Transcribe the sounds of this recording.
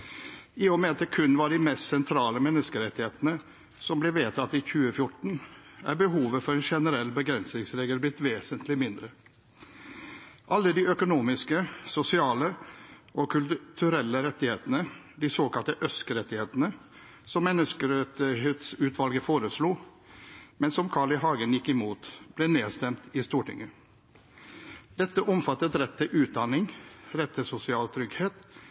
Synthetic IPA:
ɪɔmɛɑt̪ɛkʰʉnːʋɑɖɪmɛst̪sɛnt̪ʰɾɑːləmɛnːəskəɾɛt̪ːɪheːt̪ənə | sɔmblɛːʋeːt̪ʰɑt̪ːɪçʉːəfjʊʈɳ̩ʔæ̰ɾbəɦuːʋəfɔɾɛnʃɛnəɾɛlːbəɡɾɛnsnɪŋsɾeːɡəlblɪt̪ːʋeːsənt̪ʰlɪmɪnd̪ɾə | ʔɑlːəd̪iœkʊnuːmɪskəsʊsɪɑːləʔɔkʰʉlt̪ʰʉɾɛlːəɾɛt̪ːɪheːt̪ənə | d̪iːsoːkɑlt̪əʔœskəɾɛt̪ɪheːt̪ənə | sɔmːɛnːəskəɾɛt̪ɪheːt̪sʉːt̪ʰʋɑlɡəfoːɾəsluː | mɛnsɔmkʰɑːɭɪɦɑːɡənjɪkːɪmuːt̪b̥lɛneːst̪ɛmt̪ɪst̪uːʈɪ̰ŋːə | d̪̥ɛt̪ːəʔɔmfɑt̪ːət̪ɾɛt̪ʰːɪlʔʉːt̪̚d̪ɑnɪŋɾɛt̪ʰːɪlsʊsɪɑːlt̪ʰɾʏɡheːt̪

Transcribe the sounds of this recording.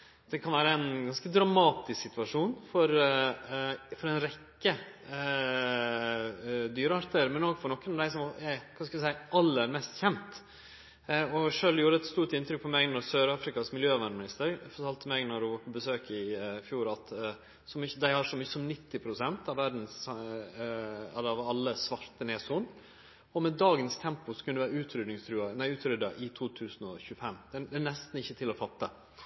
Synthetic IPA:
d̪̥ɛkʰɑnʋæːɾəæɛnɡɑnskəd̪ɾɑmɑːt̪ɪsksɪt̪ʋɑʂuːnfɔɾ | fɔɾɛnɾɛkːə | d̪yːɾəɑɾt̪ʰəɾmɛnoːɡfɔɾɳɔkːənɔmd̪æɪsɔmɛkʰɑnskʉləsæɪʔɑlːəɾmɛst̪çɛnt̪ | ɔʂøːljuːɾəɛt̪st̪uːʈɪnt̪ɾʏk̚pʰɔmɛɡnɔɾsøːɾɑːfɾɪkɑsmɪljøːʋɑmɪnɪst̪əɾfɔɾʈ̪ʰɑlt̪ʰəmɛɡnɔɾɖʉʋɑɾpʰɔbəsøːkɪfjuːɾɑt̪ | sɔmʏəd̪æɪhɑɾʂɔmyːəsɔmnɪt̪ːɪpʰɾʊsɛnt̪ɑʋæɖn̩s | ɑɑʋɑlːəsʋɑɾt̪əneːsuːn | ɔmɛd̪ɑːɡənst̪ʰɛmpʊsɔkʰʉnd̪əʋæːɾʉːt̪ʰɾʏd̪nɪŋst̪ʰɾʉːɑnæɪʉːt̪ɾʏd̪ːɑʔɪt̪ʰuːt̪ʰʉːsnɔçʉːəfɛmːd̪̥ɛd̪æːnɛst̪n̩ɪçːət̪ʰɪlɔfɑt̪ːə̰

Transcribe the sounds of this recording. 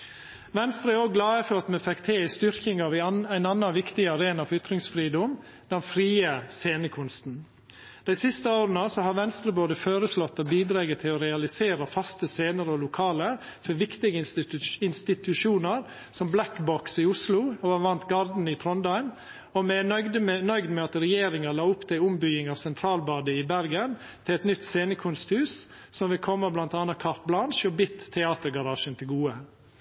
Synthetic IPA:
ʋɛnst̪ɾəoːɡɡlɑːəføt̪mɛfɛkt̪ʰeːɪst̪ʏɾkɪŋɑʋææɪnɑnːɑʋɪkt̪ɪɑɾeːnɑfɔɾʏt̪ɾɪŋsfɾiːd̪ɔm | d̪̥ɛnfɾiːəseːnəkʰʊnst̪n̩ | d̪̥æɪsɪst̪əoːɾənəsɔɦɑɾʋɛnst̪ɾəboːd̪əføːɾəslɔt̪ːɔbiːd̪ɾɑːɡət̪ʰːɪlɔɾɛɑlɪseːɾəfɑst̪əseːnəɾəɔlʊkʰɑːlə | fɔɾʋɪkt̪ɪɡəɪnst̪ɪt̪ʰʉʃuːnəɾ | sɔmblækbɔksɪʊslʊɔʋɑʋɑnt̪ɡɑɾd̪n̩ɪt̪ʰɾɔnd̪ɑɪn | ɔmɛd̪mnœʏɡd̪mɛɑt̪ɾɛjeːɾɪŋɑlɑːʊpːt̪ʰɪlʊmbʏɡɪŋɑʋsɛnt̪ʰɾɑːlbɑːd̪əɪbæɾɡən | t̪ʰɪlɛt̪nʏt̪ːseːnəkʰʊnst̪hʉːs | sɔmʋɪlkʰɔmːəblɑnt̪ɑːnɑkʰɑɾt̪̚blɑnʃɔbɪt̪ʰːɛɑːt̪əɾɡɑɾɑːʃənt̪ʰɪlɡuːə

